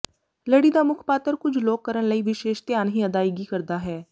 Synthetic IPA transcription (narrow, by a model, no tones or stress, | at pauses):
ləːɽiːd̪aːmʊkʰpaːt̪əɾkʊd͡ʒʱloːkːəɾənləiːʋɪʃeːʃt̪jaːnɦiːəd̪aːɪɡiːkəɾd̪aːɦɛː